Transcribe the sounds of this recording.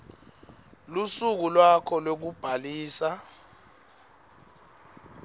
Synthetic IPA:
lusuk̬ulwakʰɔlok̬ub̥ʱaliːsa

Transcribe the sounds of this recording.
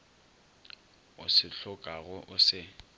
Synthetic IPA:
ʊ̰sɪɬʊkʼaɣʊʔʊsɪ

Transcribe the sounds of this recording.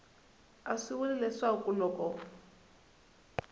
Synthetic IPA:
aʂiwulilɛʂakʼulɔkʼɔ

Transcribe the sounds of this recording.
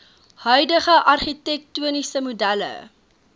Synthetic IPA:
hœɥdəχəʔɐrχitɛk̚tuənisəmudælə̰

